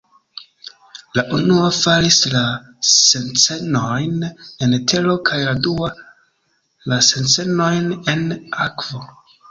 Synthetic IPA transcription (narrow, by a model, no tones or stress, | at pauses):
laʔunuafaɾisla | se̞nt͡se̞nojne̞ntʰe̞lo̞kʰajladua | lase̞nt͡se̞no̞jne̞nakv̥o̞